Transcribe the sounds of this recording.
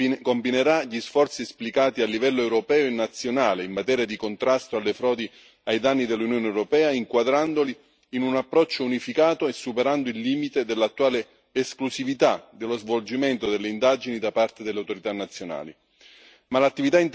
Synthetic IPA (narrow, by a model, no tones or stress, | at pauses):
kombineɾaʎisfɔrt̪siesplikaːt̪ialːivɛlːoɛwɾopɛːoenːat̪sːjonaːleimːat̪ɛːɾjad̪ikont̪ɾast̪oalːefɾɔːd̪i | ajd̪anːid̪elːunjoːneɛwɾopɛːaiŋkwad̪ɾand̪oliː | nunapːɾɔt͡ʃːounifikaːt̪oesːupeɾand̪oilːiːmit̪ed̪elːat̪ːuwaːleː | sklusivit̪ad̪elːozvold͡ʒiment̪od̪elːeind̪ad͡ʒinid̪apart̪ed̪elːeawt̪oɾit̪anːat̪sːjona̰ːli | malat̪ːivit̪aint̪